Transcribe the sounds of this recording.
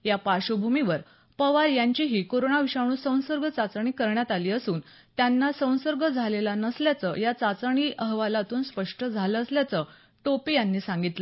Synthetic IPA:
japaɕubʱumiʋəɾ | pəʋaɾjaɲt͡ɕiɦiːkoɾoɳaʋiɕaɽ̃uːsə̃w̃səɾɡʱət͡sat͡sɳ̃iːkəɾɳjat̪aliːəsuːn | t̪janːasə̃w̃səɾɡʱəd͡zʱalelanəsljat͡səjat͡sat͡səɳ̃iːʔəɦʋalat̪uːnspəʂʈəd͡zʱaləːəsljat͡sə | ʈopijanːiːsãŋɡit̪lə

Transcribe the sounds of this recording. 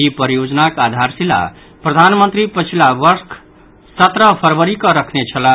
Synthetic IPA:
ipəɾjod͡znakad̪ʱaɾsila̰ | prʌd̪ʱanmənt̪ɾipət͡ʃʰilabʌɾskʰ | sʌt̪ɾʌpʰʌɾbʌɾikʌɾʌkʰnet͡sʰʌla

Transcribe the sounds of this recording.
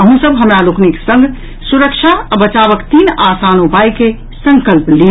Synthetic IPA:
əɦũsəbɦəmɾalʊkneksə̃ŋɡ | sʊɾəkʃʰabət͡ʃaːʋəkt̪iːnaːsaːnupaːjke | sə̃ŋkəlpli

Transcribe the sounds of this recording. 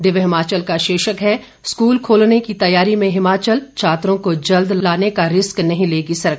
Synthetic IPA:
ɖɪʋɦɪmaːt͡ʃəlkaʃeːʃəkɦɛ | skuːlkʰoːlnekit̪ɐjaːɾimẽɦɪmaːt͡ʃəlt͡ʃʰaːt̪ɾõkod͡ʒɐld̪laːnekaɾɪsknɐɦĩleːɡisɐɾək

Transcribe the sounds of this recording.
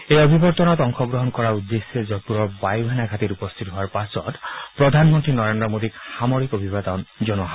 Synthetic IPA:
ejɔbʱibɔɾt̪ɔnɔt̪ɔŋxɔɡɾɔɦɔnkɔɹaud̪ːesed͡ʒɔk̚puɾɔɾbajuɦenaɡʱat̪iɾupɔst̪ʰit̪ɔɦoaɾpasɔ̰t̪pɾɔd̪ʱanmɔnt̪ɾinɔɾend̪ɾɔmod̪ikhamoɾikobʱibat̪ɔnd͡ʒɔnɔɦa

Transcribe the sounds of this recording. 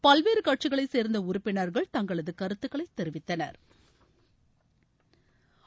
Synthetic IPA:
pɐlʋeːɾɯkɐʈt͡ʃɪɣɐɭɐɪseːɾnd̪ɐʊɾʊpːɪnɐɾɣɐɭt̪ɐŋɡɐɭɐðɯkɐɾɯt̪ːɯkːɐɭɐɪt̪ːɛɾɪʋɪt̪ːɐnɐ̰ɾ

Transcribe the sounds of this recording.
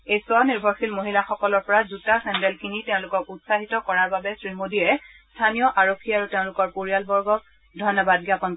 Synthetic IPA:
ejswaniɹbʱɔxilmoɦilaxɔkɔlɔɹpɔɹazutasɛndɛlkʰiniteʊ̃lʊkɔkutsaɦitɔkɔɹaɹbabɛsɹimodiɹɛ | stʰanijɔʔaɹokʰːiaɹuteʊ̃lʊkɔɹpoɹialbɔɹɡɔk | dʱɔjnɔbad̚ɡiapɔn

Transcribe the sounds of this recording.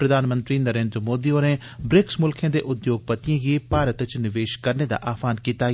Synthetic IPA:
pɾəd̪ʱaːnmə̃nt̪ɾiːnəɾẽːnd̪ɾəmoːd̪ioːnebɾɪksmʊlkʰẽːd̪eːʔʊd̪joːɡ̚pət̪ɪjãːɡiːpaːɾət̪t͡ʃnɪʋeːʃkəɾned̪a̰ːʔaːfʰaːnkiːt̪aː

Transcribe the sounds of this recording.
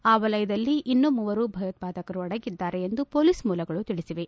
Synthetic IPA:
aːʋɐlɐjɐd̪ɐlːiʔinːumuʋɐɾubʱɐjɐt̪̚paːd̪ɐkɐɾuɐɽɐɡid̪ːaːɾe̞ːnd̪upo̞ːliːsmuːlɐɡɐɭut̪iɭisiʋe̞

